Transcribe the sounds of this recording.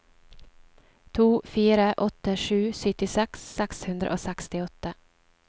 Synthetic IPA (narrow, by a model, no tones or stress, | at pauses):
t̪ʰuːfyːɾaʔɔt̪ːəʂʉ̟ːsʏt̪ːɪsɛksːɛkshɵnd̪ɾa̰ʔo̰sɛkst̪ɪɔt̪ːa